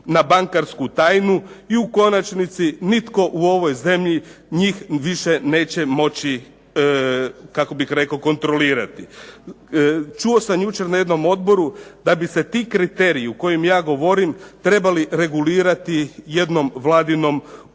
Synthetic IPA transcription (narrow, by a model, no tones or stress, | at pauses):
nabaŋkaɾskut̪aːjnuiuko̞nat͡ʃnit̪sinit̪ko̞ʔuo̞ʋo̞jze̞mʎiɲiːxʋiʃene̞ːt͡ɕe̞mo̞t͡ɕi | kako̞bixɾe̞kaoko̞nt̪ɾo̞liːɾat̪i | t͡ʃuo̞samjut͡ʃe̞ɾnaje̞d̪no̞mo̞d̪bo̞ɾud̪abise̞t̪ikɾit̪e̞ɾiuko̞jemjaːɡo̞ʋo̞ɾimt̪ɾe̞baliɾe̞ɡuliːɾat̪ije̞d̪no̞mʋlˠaːd̪ino̞m